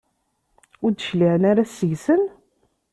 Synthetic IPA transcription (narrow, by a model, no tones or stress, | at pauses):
ʊɾd̪əʃliʕənaɾæsəʝsən